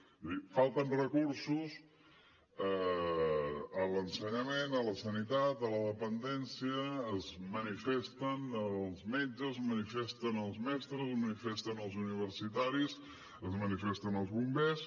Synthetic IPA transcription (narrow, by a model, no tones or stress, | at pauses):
ifalˠt̪ənrəkuɾsus | ə | ələnsəɲəmenələsənit̪at̪ələðəpənd̪ɛnsiəːzmənifest̪ənəlˠzmed͡ʒəzmənifest̪ənəlˠzmɛst̪ɾəzəzmənifest̪ənəlˠzuniβ̞ərsit̪aɾis | əzmənifest̪ənəlˠzβumbes